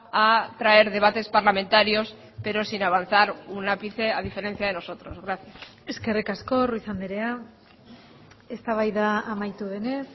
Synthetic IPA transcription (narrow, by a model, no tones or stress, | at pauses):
at̪ɾae̞ɾðe̞β̞at̪e̞spaɾlamẽ̞nt̪aɾio̞s | pe̞ɾo̞sinaβ̞anθaɾunapiθe̞að̞ife̞ɾe̞nθjað̞e̞no̞so̞t̪ɾo̞zɣɾaθjase̞ske̞rikasko̞ruisand̪eɾea | est̪aβajðaːmajt̪uðe̞ne̞s